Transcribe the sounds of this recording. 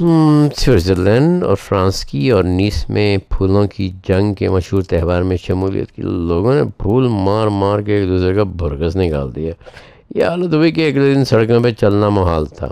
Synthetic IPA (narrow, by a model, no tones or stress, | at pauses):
swɪɾzeɾlɛ̃ːɳɖɔ̰ːɾfɾãːskiɔːɾniːsmẽbʰuːlõkid͡ʒɐ̃ŋɡkemɐʃɦuːɾt̪ɛɦʋaːɾmẽʃɐmuːlḭjə̰t̪̚kḭloːɡõnḛbʱuːlmaːɾmaːɾkeːk̚d̪uːsɾekabʱʊɾɡəsnɪka̰ːld̪ijaː | jeɦaːlət̪ɦoikeɐkled̪ɪ̃nsɐɽkõpẽt͡ʃɐlnamɐɦaːlt̪ʰa̰ː